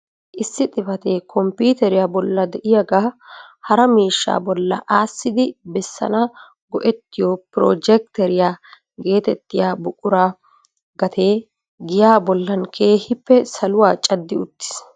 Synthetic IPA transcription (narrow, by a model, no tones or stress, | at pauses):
ʔɪsːɪt̪ʼɪfɐt̪eːkʰɔmpiːt̪ɛɾɪjabɔlːɐd̪ɛʔɪjɐɡaːhɐɾɐmiːʃːa̰ːbɔlːɐ̰ʔaːsːɪd̪ɪbɛsːɐ̰nɐ | ɡɔʔɛt̪ːɪjopɾɔ̰ːd͡ʒɛk̚t̪ɛɾɪjaː | ɡe̞ːt̪ɛt̪ːɪjaːbʊkʼːʊɾaː | ɡɐt̪ʰe̞ː | ɡɪjaːbɔlːɐnkʰeːhɪpːɛsɐlʊwaːt͡ʃʼɐd̪ːɪʊt̪ːɪ̥s